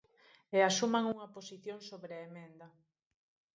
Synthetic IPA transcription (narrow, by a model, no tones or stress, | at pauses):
easumaŋuŋɐposiθjoŋsoβɾeaemẽnd̪ɐ